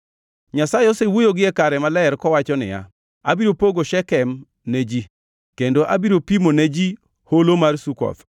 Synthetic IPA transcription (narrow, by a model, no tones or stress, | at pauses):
ɲasajɔsewojoɡɪɛkaɾɛmalɛɾkɔwat͡ʃɔnɪ̰ja̰ | abiɾopoɡoʃɛkɛm | ned͡ʒi | kendoʔabiɾopimoned͡ʒi | holomarsukɔ̰f